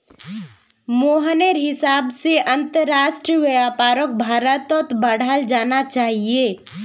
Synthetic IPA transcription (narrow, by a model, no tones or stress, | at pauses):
moːɦəneɾɦɪsaːbseʔɐ̃nt̪əɾaːʃʈɾiʋeaːpaːɾək̚bʱaːɾət̪ɔt̪bəɽ̤ald͡ʒaːnat͡ʃaːɦieː